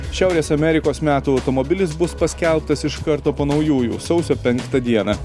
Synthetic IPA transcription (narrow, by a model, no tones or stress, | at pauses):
ʃʲæˑʊɾʲeːsɐmʲɛɾʲɪkoːsmʲæːt̪uːɐʊt̪ɔmɔbʲɪlʲɪsbʊspɐsʲkʲɛlˠpt̪ɐsɪʃkɐɾt̪oːpoːnɒʊjuːjṵːsɒʊsʲoːpʲɛŋˑkt̪ɐd̪ʲiɛnɐ